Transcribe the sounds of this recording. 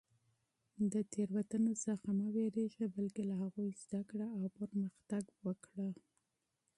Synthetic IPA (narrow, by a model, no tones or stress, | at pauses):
d̪ət̪ʰeɾwat̪anosaxamaweɾeʒabalkelahaɣujzd̪akɽaawpəɾməxt̪aɡwəkɽa